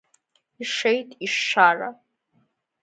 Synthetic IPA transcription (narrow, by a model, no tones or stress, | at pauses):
iʂejtʼiʂːara